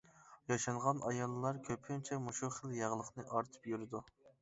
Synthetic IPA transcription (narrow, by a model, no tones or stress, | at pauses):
jɑʃɑɴʁɑnɑjɑlˠːɨlˠɑɾkʲʰøpʰɪnt͡ʃʰɛmuʃuχəlˠjæʁlˠəqnɨʔɑɾt̪ʰɨ̥pjyɾɪd̪u